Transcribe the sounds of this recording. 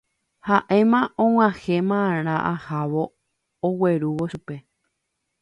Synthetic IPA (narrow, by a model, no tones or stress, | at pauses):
haʔe̞mãʔõw̃ʷãhe̞mãɾ̃ãʔahaʋo̞ː | we̞ɾuʋo̞ʃupe̞